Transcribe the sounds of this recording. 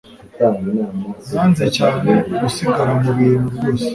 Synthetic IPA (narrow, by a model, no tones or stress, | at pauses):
tainamamaːnzecaːneɡusiɡaɾamuβiːɾuβjoːse̥